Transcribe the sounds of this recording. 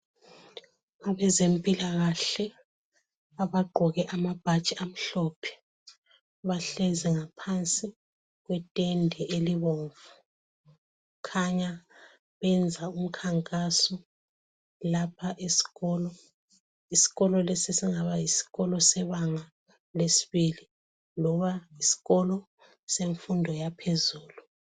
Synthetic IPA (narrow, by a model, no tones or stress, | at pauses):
aβɛzempʼilaɣaɬɛ | aβaɡ͡ǃʱɔɣɛʔamab̥ʱat͡ʃʼiam̩ɬɔpʰɛ̥ | βaɬɛzɛŋapʰant͡sʼi | ɣwɛtʼɛndʱɛʔeliβoːɱvu | kʰaɲa | βɛnd͡zʱaum̩kʰaŋkʼasɔ | lapʰaʔesi̥ɣɔlɔ | isi̥ɣɔlɔlesisiŋaβajisi̥ɣɔlɔsɛβaŋa | lesi̥βili | lɔβaisi̥ɣɔlɔ | seɱfundʱɔjapʰezuːlu